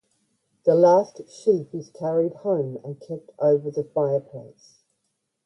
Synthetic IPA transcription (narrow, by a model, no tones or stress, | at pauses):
ðəlɑˑstʃiˑpwɪz̥kʰaɹɪd̚hə̃ʊ̃mə̰̃nkʰɛp̚tʰəʊvəðəfaɪəpʰl̥ḛɪs